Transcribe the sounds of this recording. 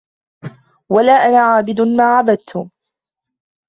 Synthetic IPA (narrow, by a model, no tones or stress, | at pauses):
walaːʔanaːʕaːbɪd̪ʊmaːʕabad̪̚t̪ʰʊ